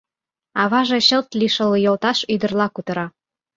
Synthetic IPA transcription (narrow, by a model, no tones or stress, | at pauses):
ɑβɑʒeɕɤ̆lt̪liʃɤ̆ljolt̪ɑʃyd̪ə̆rlɑkut̪ɤ̆ɾɑ